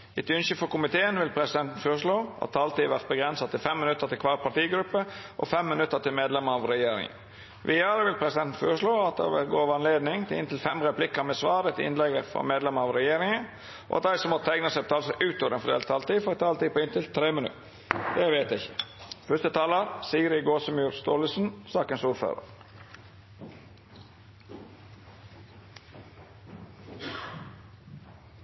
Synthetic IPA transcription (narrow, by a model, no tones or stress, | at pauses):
ɪt̪ʏnʃəfɔɾkʊmɪt̪ʰeːənʋɪlpʰɾɛsɪd̪ɛnt̪n̩føːɾʂɭoːʔɑ̰t̪ʰːɑlt̪iːʋæɾt̪̚bəɡɾɛnsɑt̪ʰːɪlfɛmːɪnʉt̪ːəɾt̪ɪlkʰʋɑpʰɑʈ̪iːɡɾʉpːəʔɔ̰fɛmːɪnʉt̪ːət̪ʰɪlmeːd̪lɛməɑʋɾɛjeːɾɪ̰ŋə̰ | ʋɪæːɾəʋɪlpʰɾɛsɪd̪ɛnt̪n̩føːɾəʂɭoːɑt̪̚d̪ɛ̰ʋɛɡoːʋəɑnleːd̪nɪŋt̪ʰɪlɪnt̪ɪlfɛmɾɛplɪkːəɾmɛsʋɑːɾət̪ɪɪ̰nlɛɡəfɔ̰meːd̪lɛməɾɑʋɾɛjeːɾɪŋə | ʔo̰ɑt̪̚d̪æɪsɔmɔt̪ʰæɡnəsɛɪpt̪ʰɑlsɔʔʉːt̪ɔːʋɾɛnfɔd̪ḛːlt̪ʰɑːlt̪iːfɔɛt̪ʰɑːlt̪iːpoːɪnt̪ʰɪlt̪ʰɾeːmənʉ̰t | d̪ɛʋeːt̪æɪçə̥fœst̪ət̪ʰɑːləɾsiːəɾɪɡoːsəmjuːɾst̪oːləsn̩sɑːkənsuːɾfø̰ːɾə̰ɾ